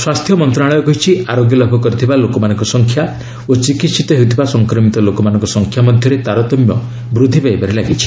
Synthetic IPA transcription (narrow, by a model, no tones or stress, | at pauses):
swast̪ʰjɔmɔnt̪ɾaɭ̃ɔjɔkɔɦit͡ʃʰiaɾoɡjɔlɔbʱɔkɔɾit̪ʰibalokɔmanɔŋkɔsɔŋkʰja | ot͡ʃikit̪sit̪ɔɦewut̪ʰibasɔŋkɾɔmit̪ɔlokɔmanɔ̃ŋkɔsɔŋkʰjamɔd̪ʱjɔɾet̪aɾɔt̪ɔmjɔ | bɾud̪ʱːipajbaɾelaɡit͡ʃʰi̥